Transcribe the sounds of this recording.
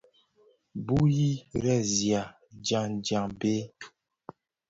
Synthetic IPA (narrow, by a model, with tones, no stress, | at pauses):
bu˦ji˦ɾɛ˦˨zja˨ | d͡ʒa˨ŋd͡ʒa˨ŋbe˦